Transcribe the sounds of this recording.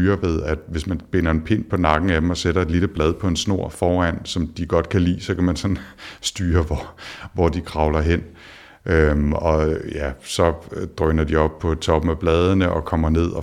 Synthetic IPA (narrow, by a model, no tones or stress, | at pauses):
yːɐʋe̝ð̞ˠæd̥ʋe̝smænb̥e̝nɐe̝npʰe̝n̰pʰɒ̽nɑ̈ɡ̥n̩æd̥emɒ̽seɾ̥ɐed̥liləb̥lɛð̞ˠpʰɒ̽e̝nsno̝ɐ̰fɒːæn̰sɒ̽md̥iɡ̥ɒ̽d̥̚kʰælḭːsɒ̽kʰæmænsɒ̽nsd̥yːɐʋɒʋɒd̥ikʰʁɑ̈ʊlɐɦen̰ | ʔømɒ̽jæsɒ̽d̥ʁœnɐd̥iɒ̽b̥̚pʰɒ̽t͡sʰɒ̽b̥m̩æb̥lɛːð̞ˠənəʔɒ̽kʰɒ̽m̰ɐne̝ð̰ˠɒ̽